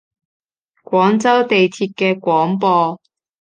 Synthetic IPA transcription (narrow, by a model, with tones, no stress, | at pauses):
kʷɔː˨˥ŋt͡sɐ˥wt̪e˨jt̪ʰiː˧t̚kɛː˧kʷɔː˨˥ŋpɔː˧